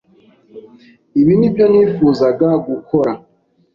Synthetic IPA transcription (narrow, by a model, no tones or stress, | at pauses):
iβinibjo̞niːfuːzaɡaɡukʰoɾa